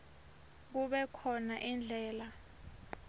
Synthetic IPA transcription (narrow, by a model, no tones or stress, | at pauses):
k̬uɓɛkʰɔnaʔind͡ɮʱɛːla